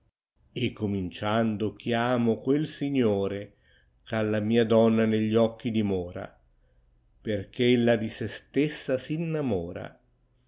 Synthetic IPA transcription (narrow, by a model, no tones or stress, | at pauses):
ekːomint͡ʃand̪ʊk̟jaːmokwelsiɲːoːɾe | kalːamiːad̪ɔnːaneʎːiɔkːid̪imɔːɾa̰ | perk̟ʰelːad̪isest̪esːasinːamɔːɾa̰